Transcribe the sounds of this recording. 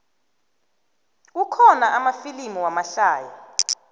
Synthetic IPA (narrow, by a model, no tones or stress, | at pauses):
ukʰɔnaʔamafilimiwamaɬaːja